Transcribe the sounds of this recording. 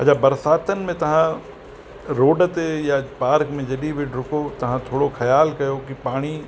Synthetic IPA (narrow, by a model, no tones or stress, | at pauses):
ɦɐ̰d͡ʑabɐɾsaːt̪ənɪ̆mẽt̪ɐʋ̤ã | ɾoːɖt̪ejapaːɾkmẽd͡ʒɐɗiʋɪɖɾʊkot̪ɐʋ̤ãt̪ʰoːɽoxʰɐjaːlkɐjokipaːɽ̃i